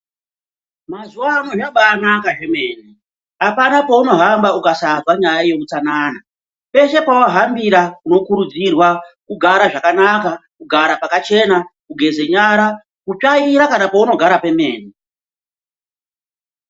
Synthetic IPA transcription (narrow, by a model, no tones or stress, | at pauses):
mazuwaːmwoʐaɓaːnakaʐe̞me̞ːni | apanapo̞uno̞ɦambaukasazwaɲajaje̞kut͡sanaːna | pe̞ʃe̞pawoɦambiɾakuno̞kuɾud͡zirwakuɡʱaɾaʐakanakakuɡʱaɾapakat͡ʃe̞nakuɡʱe̞ze̞ɲaɾa | kut͡ʂaiɾakanapouno̞ɡʱaɾape̞me̞̰ːni